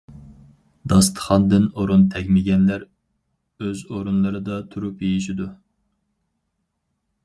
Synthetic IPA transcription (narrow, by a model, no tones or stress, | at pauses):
d̪ɑst̪ʰə̥χɑnd̪ɨnoɾunt̪ʰɛɡʲmɪɡʲɛnlæɾ | øzoɾunlˠɨɾɨd̪ɑt̪ʰuɾupjejiʃ̬id̪u